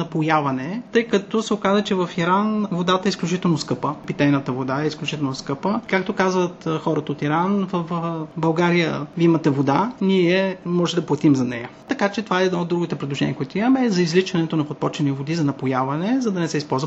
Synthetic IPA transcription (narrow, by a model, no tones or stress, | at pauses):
nɐpojavɐnɛt̪ɤjkɐt̪ɔsɛokazvɐt͡ʃɛvɐfiɾanvod̪at̪ɐɛisklʲut͡ʃit̪ɛlˠnoskɤpəpit̪ɛjnət̪əvod̪aɛisklʲut͡ʃit̪ɛlˠnoskɤpəkak̚t̪okazvət̪xɔɾɐt̪əot̪iɾanvəfbɐlˠɡaɾijəvʲimɐt̪ɛvod̪aniɛmɔʒɛd̪ɐplˠɐt̪imzɐnɛ̰jət̪ɐkat͡ʃɛt̪ovaɛɛːd̪nɔod̪ːɾuɡit̪ɛpɾɛd̪lˠoʒɛniəkʊit̪oimɐmɛzɐizlit͡ʃɐnɛt̪onɐpot̪̚pɔt͡ʃɛnivod̪izɐnɐpojavɐnɛzɐd̪ɐnɛsɛispɔlˠzvə